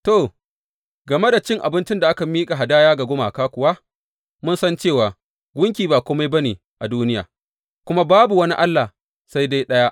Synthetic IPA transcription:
to˨ | ɡɐ˨me˦da˨t͡ʃɪ˦ŋʔa̰˨bɪ˦nt͡ʃɪ˦nda˨ʔa˦ka˨miː˦kʼa˨ɦa˨daː˦jaː˦ɡa˨ɡʷʊ˦maː˨kaː˦kʷʊ˨wa˦ | mʊ˦nsɐ˦nt͡ʃeː˦˨waː˨ | ɡʷʊ˦ŋk̬ʲiː˨baː˨kʷoː˦ma˦jbɐ˦neː˨ | ʔa˨duː˦nɪ˦ja̰ː˨ | kʷʊ˦ma˦baː˦bu˨wɐ˦ni˦ʔa˦lːaː˨ | sa˦jda˦jɗɐ˦ja˦ʔ

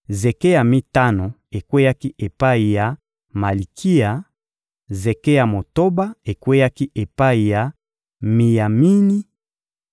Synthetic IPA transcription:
ze˨ke˦ja˨mi˦ta˦no˨ | e˨kwe˦ja˦ki˦ʔe˨pa˦i˨ja˨ | ma˨li˨kʰi˦ja˨ | ze˨ke˦ja˨mo˨to˦ba˦e˨kwe˦ja˦ki˦ʔe˨pa˦i˨ja˨ | mi˨ja˨mi˦ni˦

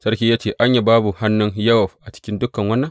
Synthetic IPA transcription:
sɐ˦ɾkʲiː˦jaː˦t͡ʃeː˨ʔa˦ɲja˨baː˦bu˨ha˦nːʊ˦nja˦wɔ˨ɸʔa˨t͡ʃɪ̥˦kʲɪ˦ndʊ˦kːɐ˨ŋwɐ˦nːɐ˦ŋ

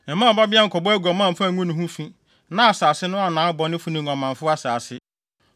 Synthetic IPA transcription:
mã˦˨ba˦bɪ˦a˦ŋ̩˨kʰɔ˨bɔ˦æ˦ɡʷɔ˨mã˦˨m̩˨fa˦˨ŋʷũ˦nʊ̃˦ɦũ˦fĩ˦ | nã˦a˨saː˨sɪ˦nʊ̃˦a˨nãː˨˦bɔ˨nɪ̃˦fũ˨˦nɪ̃˨ŋ˨ɔ̃˨mã˨ɱ˨fʊ˦a˦saː˨sɪ˦

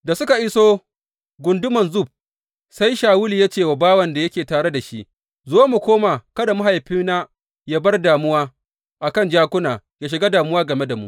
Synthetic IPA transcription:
da˨sʊ˦ka˨ʔɪ˦soː˦ | ɡʷʊ˨ndʊ˦mɐ˨nzʊ˦˨b̚ | sa˦jʃaː˨wʊ˦li˨ja˦t͡ʃeː˨wa˨baː˦wɐ˨nda˨jɐ˦kʲeː˨taː˨ɽe˦da˨ʃi˦ʔ | zoː˦mu˨kʷoː˦maː˨kɐ˦da˨mʊ˦ɦa˨jɸɪ˦na˦ | jaː˦bɐ˦rdaː˨mʊ˦waː˦ | ʔa˨kɐ˦nd͡ʒaː˦kʷʊ˦naː˨ | jaː˦ʃ̬ɪ˨ɡa˦daː˨mʊ˦waː˦ɡɐ˨me˦da˨mṵ˦ʔ

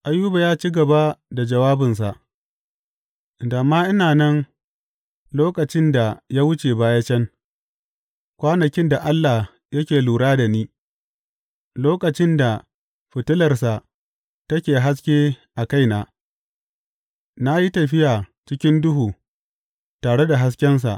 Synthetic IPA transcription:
ʔa˦juː˦ba˨jaː˦t͡ʃi˦ɡɐ˨ba˦da˨d͡ʒɐ˨waː˦bɪ˨ns̬a˨ʔ | da˨mːaː˦ʔɪ˦naː˨nɐ˦ŋ | loː˦kʼɐ˨t͡ʃɪ˦nda˨jaː˦wʊ˦t͡ʃeː˨baː˦ja˦t͡ʃɛ˦ŋ | kʷaː˦nɐ˨kʲɪ˦nda˨ʔa˦lːa˨ | jɐ˦kʲeː˨luː˨ɽaː˦da˨niː˦ | loː˦kʼɐ˨t͡ʃɪ˦nda˨ | ɸɪ˨tʊ˦lɐ˨rsa˨ʔ | tɐ˦kʲeː˨ɦa˦s̬kʲeː˦ʔa˨ka˦jnaː˨ | na˦ji˦tɐ˨ɸɪ˦jaː˨t͡ʃɪ˦kʲɪ˦ndʊ˦ɦuː˨ | taː˨ɽe˦da˨ɦa˦s̬kʲɛ˦ns̬a̰˨ʔ

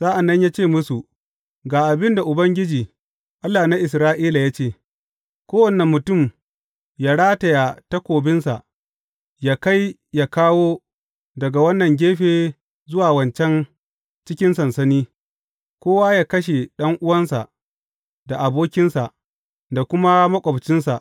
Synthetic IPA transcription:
z̥aː˦ʔa˨nːɐ˦ɲjaː˦t͡ʃeː˦˨mʊ˦su˨ | ɡaː˨ʔa˨bɪ˦nda˨ʔʊ˨bɐ˦ŋɡʲɪ˦d͡ʒiː˨ | ʔa˦lːaː˨na˦ʔɪ˨sɾaː˦ʔiː˦la˨jaː˦t͡ʃeː˦˨ | kʷoː˦wɐ˨nɛ˨mːʊ˨tʊ˦˨m | jaː˦ɽaː˦tɐ˨ja˨ta˦kʷoː˨bɪ˦nsa˨ʔ | jaː˨ka˦j | jaː˨kaː˦woː˦ | dɐ˨ɡa˨wɐ˦nːɐ˨ŋɡʲeː˦ɸeː˨ | zʊ˦waː˨wɐ˨nt͡ʃɛ˦n | t͡ʃɪ˦kʲɪ˦nsɐ˨nsɐ˦niː˦ | kʷoː˦waː˦jaː˦kɐ˦ʃ̬e˨ɗɐ˦ŋʔʊ˦wɐ˦nsa̰˨ʔ | da˨ʔa˨boː˦kʲɪ˦nsa˨ʔ | da˨kʷʊ˦ma˦mɐ˦kʷʼɐ˨bt͡ʃɪ˦nsa˨ʔ

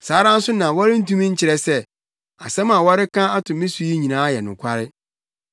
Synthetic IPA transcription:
saː˨˦ɾã˦n̩˦sʊ˦nã˨wɔ˦ɾɪ˦n̩˦tũ˦mĩ˦ɲ̩˦t͡ɕʰɪ˨ɾɛ˦sɛ˦ | a̰˨sɛ̃˦mã˨wɔ˦ɾɪ˦kʰã˦a˦tʰʊ̃˨mɪ̃˦su˨ji˦ɲĩ˨nãː˨˦jɛ˨nʊ̃˨kʷʰa˦ɾɪ˦

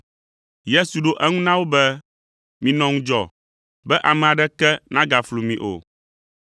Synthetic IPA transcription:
je˦su˨ɖo˦ʔɛ˦ŋũ˦nã˦wo˦bɛ˦ | mĩ˨nɔ̃˦ŋũ˦d͡ʒɔ̰˨ | bɛ˦ʔa˨mɛ̃˨a˨ɖɛ˦kɛ˦nã˦ɡa˨flu˨mĩ˨ʔo̰˨

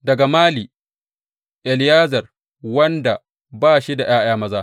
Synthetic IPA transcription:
dɐ˨ɡa˨maː˦liː˨ | ʔɛ˨ljaː˦zɐ˨r | wɐ˦nda˨ | baː˦ʃi˦da˨j̰aː˦j̰aː˦mɐ˦zaː˦

